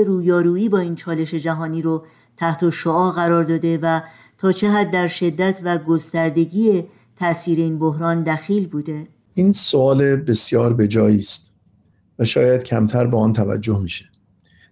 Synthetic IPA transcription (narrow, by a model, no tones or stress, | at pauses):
eɾuːjɒːɾuːiːbɒːiːnt͡ʃʰɒːle̞ʃe̞d͡ʒæɦɒːniːɾo | t̪ʰæht̪ʰoʃoɒːɣæɾɒːɾd̪ɒːd̪e̞væ | t̪ʰɒːt͡ʃʰe̞ɦæd̪ːæɾʃe̞d̪ːæt̪ʰvæɡo̞st̪æɾd̪e̞ɟiːe | t̪ʰæʔsiːɾe̞iːnbo̞ɦɾɒːnd̪æxiːlbuːd̪e̞ | ʔiːnsoɒːlebe̞sjɒːɾbe̞d͡ʒɒːjiːst̪ | væʃɒːjæd̪̥cʰæmt̪ʰæɾbeːɒːnt̪ʰævæ̰d͡ʒːohmiːʃe̥